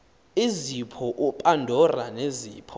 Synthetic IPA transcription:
izipʰɔʔupʼandʱɔraneziːpʰɔ

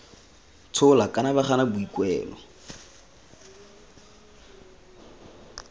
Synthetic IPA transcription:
t͡sʰʊlakʼanabaχanabʊikʼwɛːlɔ

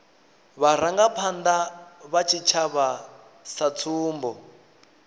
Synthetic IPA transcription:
βaɾ̤aŋɡapʰand̪aβat͡ʃʰit͡ʃʰaβa | sat͡sʰuːmbɔ

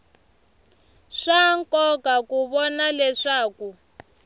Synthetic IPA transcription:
ʂaŋkɔkakuβɔnalɛʂaːku

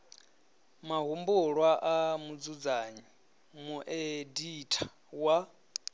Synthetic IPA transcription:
maɦumbuɺwaʔamud͡zud͡zaɲi | muʔeditʼʰḁ | wa

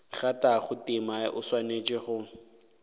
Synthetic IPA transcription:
χataχʊtɪmaʔʊswanet͡ʃʼɪχʊ

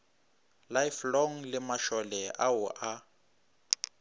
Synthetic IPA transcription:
lajflɔŋlɪmaʃɔlɛʔaʊʔa

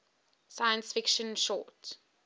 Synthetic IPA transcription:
sajə̃nsfɪkʃə̃nʃɔːt

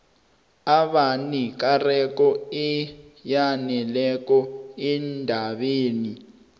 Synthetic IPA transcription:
aɓanik̬arɛk̬ɔijanɛlɛk̬ʼɔindʱaɓeːni

